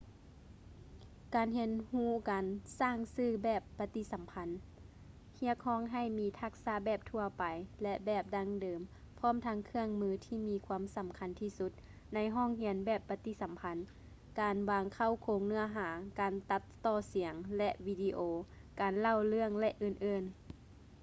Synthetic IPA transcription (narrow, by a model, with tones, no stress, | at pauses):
kaː˨nɦe˧˥nhuː˧˩˨kaː˨nsaː˥˩ŋsɯː˧˩bɛː˧˩pːa˧t̪i˧˥sa˨˦mpʰa˧˥n | hi˧˥ək̚hɔː˧˥˨ŋɦa˧˩jmiː˨˧˥t̪ʰa˧k̚saː˧˥bɛː˧˩p̚t̪ʰu˧ɐpa˨jlɛ˧ʔbɛː˧˩p̚da˧˥ŋdɤː˨m | pʰɔː˧˥˨mt̪ʰa˧ŋkʰɯ˧əŋmɯː˧t̪ʰiː˧˩miː˧kʰwuː˧ə˨msa˨˦mkʰa˧˦nt̪ʰiː˧˩su˧˦t̪̚ | na˧˥jɦɔː˥˩˨ŋɦi˧˦ənbɛː˧˩pːa˧t̪i˧˥sa˨˦mpʰa˧˥n | kaː˨nwaː˧ŋkʰa˧˥˩wkʰoː˧˦ŋnɯ˧ɐɦaː˩˦kaː˨˩nt̪a˧˥t̪ːɔː˧˩si˨˩˦əŋlɛ˧ʔwiː˧diː˧ʔoː˨˧ | kaː˨nla˧˩˨wlɯ˥˩əŋlɛ˧ʔɯː˧˩nʔɤː˧˨n